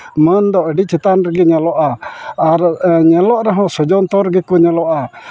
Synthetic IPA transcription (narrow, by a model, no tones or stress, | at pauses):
mənd̪ɔʔəɖit͡ʃʰit̪anɾəɡɛɲɛlɔʔaaɾɲɛlɔʔɾaɦɔ̃sɔd͡ʒɔnt̪ɔɾɡɛkɔɲɛlɔʔa